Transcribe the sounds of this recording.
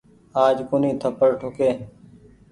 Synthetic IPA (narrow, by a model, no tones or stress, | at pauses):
aːd͡ʒkoːniːt̪ʰəpəɽʈʰokeː